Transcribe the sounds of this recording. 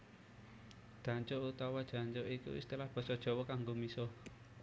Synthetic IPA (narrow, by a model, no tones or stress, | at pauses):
d̪̥ä̤ɲt͡ʃout̪awad̥ʒ̥a̤ɲt͡ʃoʔikṵst̪əlahb̥ɔ̤sɔd̥ʒ̥ɔ̤wɔkaŋɡomisɔ